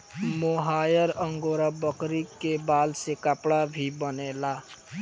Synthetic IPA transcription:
moɦajəɾəŋɡoɾabəkɾikːebalsekapɽabʱibənela

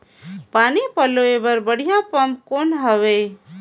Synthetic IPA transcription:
paːnipəloebəɾbəɽ̤ijapəmp̚konɦəʋe

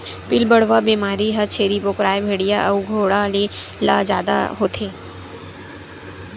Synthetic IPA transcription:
pɪlbəɽ̤ʋabiːmaːɾiɦɐt͡ʃʰeːɾipokɾaːjbʱeːɽijaʔɐ̰uɡʱoːɽalila̰ːd͡ʒja̰ːd̪a̰ɦoːt̪ʰeː

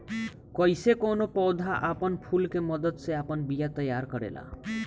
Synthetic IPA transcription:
kɔjsekonopɔwd̪ʱaʔapɔnpʰulkemɔd̪ɔd̪seapɔnbijat̪ɔjaɾkɔɾḛla̰

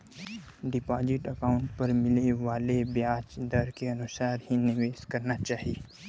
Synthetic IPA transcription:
ɖɪpaːd͡ʒɪʈɐkaːʊ̃ɳʈpɐɾmɪleʋaːlebjaːt͡ʃd̪ɐɾkeɐnʊsaːɾhinɪʋeːskɐɾnat͡ʃaːɦieː

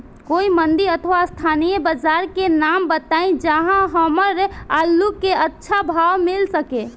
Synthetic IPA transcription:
koimənd̪iɾət̪ʰʋast̪ʰanijəbəd͡ʒaɾkenambət̪aĩd͡ʒəɦãɦəməɾalːukeətːʃʰabʱawmilsəke

